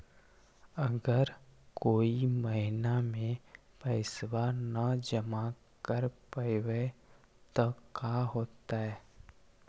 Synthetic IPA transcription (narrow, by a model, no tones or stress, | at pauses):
əɡəɾkoːiməɦɪnamẽ | pɛɪswanəd͡ʒəma | kəɾpəɪwe | t̪okaɦoːt̪aɦɛː